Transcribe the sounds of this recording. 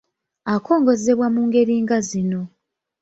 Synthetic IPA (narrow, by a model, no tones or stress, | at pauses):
ako̞ːŋɡo̞ze̞βwamuːŋɡe̞ɾiːŋɡazino̞